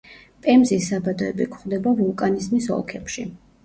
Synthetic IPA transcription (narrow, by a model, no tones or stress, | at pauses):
pʼɛmzisːabad̪ɔɛbikʰχvd̪ɛbavulˠkʼanizmisɔ̰lˠkʰɛpʃḭ